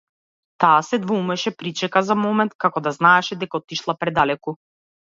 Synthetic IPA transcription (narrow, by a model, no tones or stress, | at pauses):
t̪aːsɛd̪vɔumɛʃɛpɾit͡ʃɛkazamɔmɛnt̪̚kakɔd̪aznaɛʃɛd̪ɛkaɔt̪iʃlˠapɾɛd̪alɛku